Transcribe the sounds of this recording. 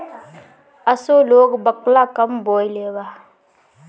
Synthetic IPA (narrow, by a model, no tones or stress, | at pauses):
asoloɡbək̚lakambojleba